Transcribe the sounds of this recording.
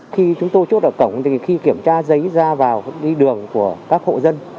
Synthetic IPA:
xi˧t͡ɕʊ˨˦ŋ͡mt̪o˧jt͡ɕu˦˥t̚ʔəː˧˩kə˧˩wŋ͡mt̪ʰi˨˩xi˧ki˧˩əmt͡ɕaː˧zə˨˦jzaː˧vaː˨˩wɗi˧ɗɨ˨˩əŋku˧˩əkaː˦˥k̚ho̰˧˨zə˧n

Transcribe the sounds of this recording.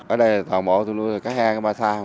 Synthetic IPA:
ʔəː˨˩ɗə˧jla˨˩t̪waː˨˩mo̰˧˨˦t̪ʰu˧˩lu˧jt̪ʰːkaː˨˦˥k̚haː˧kaː˨˧˦ɓaː˧˩saː˧hə˧

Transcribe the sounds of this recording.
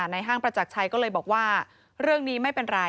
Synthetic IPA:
na˧jɦaː˥˩ŋpɾa˧t͡ɕa˨˩k̚t͡ɕʰa˧jkɔː˥˩lɤː˧jbɔː˨˩k̚waː˥˩ | ɾɯ˥˩əŋniː˦˥ma˥˩jpe˧nɾa˧

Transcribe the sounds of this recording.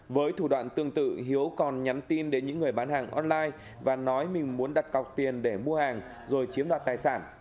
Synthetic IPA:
vəː˨˦jt̪ʰu˧˩ɗwa̰ː˧˨nt̪ɨ˧əŋt̪ɨ̰˧˨ɦi˨˦əwkɔ˨˩nɲa˨˦mt̪i˧nɗe˨˦nɲɨ̰˧˥ŋːɨ˨˩əjɓaː˨˦nhaː˨˩ŋʔɔ˧nlaː˧j | vaː˨˩nɔ˨˦jmï˨˩ŋ̟mu˨˦ənɗa˨˩t̚ka˨˩wk͡p̚t̪i˨˩ənɗe˧˩mu˧əhaː˨˩ŋ | zo˨˩jt͡ɕi˨˦əmɗwaː˨˩t̚t̪aː˨˩jsaː˧˩n

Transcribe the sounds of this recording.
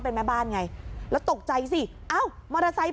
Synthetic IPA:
p̬e˧nmɛ˦˥˩baː˥˩nŋa˧jlɛː˦˥wt̪o˨˩k̚t͡ɕa˧jsi˧˨˩ | ʔa˥˩wma˧ɾa˧sa˧˦˥j

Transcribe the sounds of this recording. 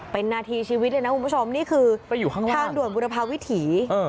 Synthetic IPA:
pe˧nːaː˧t̪ʰiː˧t͡ɕʰiː˧wi˦˥lːjna˦˥ku˧nbu˦˥˩t͡ɕʰo˧mniː˥˩kʰɯː˧a˧jːuː˨˩kʰaː˥˩ŋtʰaː˥˩ndu˨˩ənbu˧ɾa˧pʰaː˧wi˦˥t̪ʰiː˩˦ʔɤː˧˩

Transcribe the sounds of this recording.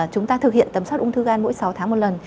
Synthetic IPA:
t͡ɕʊ˨˦ŋ͡mt̪aː˧t̪ʰɨ˨˩k̚hḭ˧˨nt̪ə˨˩mswtʔʊ˧ŋ͡mt̪ʰɨ˧ɣaː˧nmo̰˧˥jsa˨˦wt̪ʰaː˨˦mo˨˩t̚lə˨˩n

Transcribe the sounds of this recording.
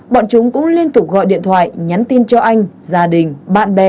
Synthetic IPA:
ɓɔ̰ː˧˨nt͡ɕʊ˨˦ŋ͡mkʊ̰˧˥ŋ͡mli˧ənt̪ʊ˨˩k͡p̚ɣɔ̰˧˨jɗḭ˧˨ənt̪ʰwa̰ː˧˨jɲa˨˦nt̪i˧nt͡ɕɔ˧ʔa˧jŋ̟ | zaː˨˩ɗï˨˩ŋ̟ɓa̰ː˧˨nɓɛ˨˩

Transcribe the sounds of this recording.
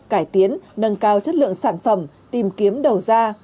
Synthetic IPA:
kaː˧˩jt̪i˨˦ənːə˧nkaː˧wt͡ɕə˦˥t̚lɨ̰˧˨əŋsaː˧˩nfə˧˩m | t̪i˨˩mki˨˦əmɗə˨˩wzaː˧

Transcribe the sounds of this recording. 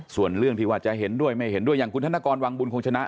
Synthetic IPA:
su˨˩ənɾɯ˥˩əŋt̪ʰiː˧waː˧˩t͡ɕa˧˩ɦe˨˩˦ndu˥˩əjma˥˩jhe˨˦ndu˥˩əjaː˨˩ŋkʰu˧t̪ʰa˥naː˧kɔː˧nwaː˧ŋbu˧nkʰo˧ŋt͡ɕʰa˧na˦˥ʔ

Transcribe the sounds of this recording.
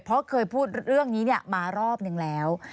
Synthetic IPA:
pʰɔ˦˥kʰɤː˧jpʰuː˥˩t̪̚ɾɯ˥˩əŋniː˦˥ni˥˩əmaː˧ɾɔː˥˩p̚nɯ˧ŋlɛː˦˥w

